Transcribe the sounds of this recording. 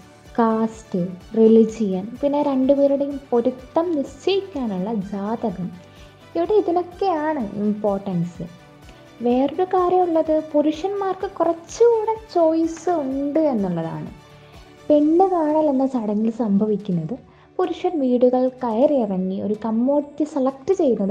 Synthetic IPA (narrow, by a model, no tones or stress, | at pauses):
kaːsʈɨrilid͡ʑijɐnpinːe̞ːɾe̞ɳɖupe̞ːɾuɽe̞jumpo̞ɾut̪ːɐmniɕt͡ɕɐjikʲːaːnuɭːɐd͡ʑaːd̪ɐɣɐm | iʋiɽe̞iðino̞kːe̞aːɳɨḭmpo̞ːrʈːɐnsɨ | ʋe̞ːroɾukaːɾjɐmuɭːɐðɨpoɾuʂɐnmaːrkɨkurɐt͡ɕːɨuːɽɐt͡ɕo̞ːjsɨuɳɖɨe̞nːuɭːɐða̰ːɳɨ̰ | peɳːɨkaːɳɐːlenːɐt͡ɕɐɽɐŋːilsɐmbʱɐʋikʲːunːɐðɨ | puɾuʂɐnʋiːɽuɣɐɭkɐjɐriirɐŋːio̞ɾukɐmːo̞ːit̪ːjɨselɐk̚ʈɨt͡ɕe̞jːunːɐðɨ